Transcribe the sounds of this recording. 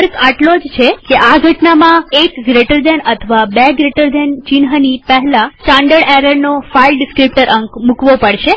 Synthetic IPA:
ɾkaʈlod͡ʒt͡ʃʰekeʔaɡʱəʈnamãekɡɾeʈəɾd̪enət̪ʰəʋabeɡɾeʈəɾd̪ent͡ʃɪnɦənipəɦɛlãsʈãɳɖəɽɛɾəɾnofailɖɪskɾip̚ʈəɾʔəŋkmukʋopəɽʃe

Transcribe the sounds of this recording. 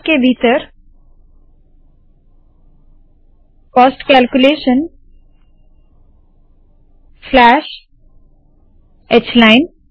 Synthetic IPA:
kevitəɾ | pastkalkuleʃən | flæʃ | ɛslajn

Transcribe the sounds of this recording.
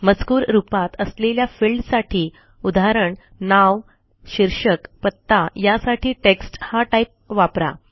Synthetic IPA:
mət͡skuːɾɾupat̪əsleljafilɖsaʈʰiː | ud̪aɾəɳ | naʋ | ɕiɾʂəkpət̪ːajasaʈʰiːʈeksʈhaʈaip̚ʋapɾa̰

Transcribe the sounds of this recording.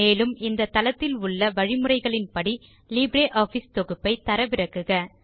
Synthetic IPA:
eːlɯmɪnd̪ɐt̪ɐlɐt̪ːɪlʊɭːɐʋɐɻɪmɯrɐɪɣɐɭɪnpɐɽi | liːbɾeːʔaːfist̪ɔɣɯpːɐɪt̪ɐɾɐʋɪɾɐkːɯɣɐ

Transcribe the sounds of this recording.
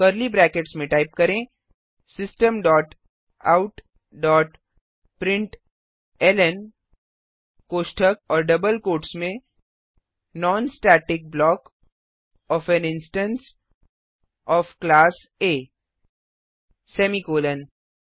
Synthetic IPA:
kəɾlibɾɛːkeʈsmẽʈaːɪp̚kɐɾẽː | sɪsʈəmɖɔːʈ | a̰ʊʈ | ɖɔːʈ | pɾɪ̃ɳʈ | ɛlɛn | koːʃʈʰəkɔːɾɖɐbəlkoːʈsmẽ | nɔːnsʈaːʈɪk̚blɔːk | ɔːfɛnɪnsʈə̃ns | ɔːfklaːs | eː | sɛːmikoːlən

